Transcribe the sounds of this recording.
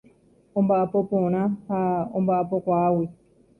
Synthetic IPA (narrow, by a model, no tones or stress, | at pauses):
umbapɔpunahaumbapɔkwaːwi